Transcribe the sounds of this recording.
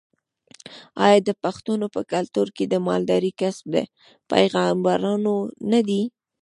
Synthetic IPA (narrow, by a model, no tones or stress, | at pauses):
ɑjɑd̪əpaxt̪unopəkalt̪uɾked̪əmɑ̰ld̪ɑɾikasb̚d̪ḛ | pa̰jɣɑmbaɾɑnonad̪i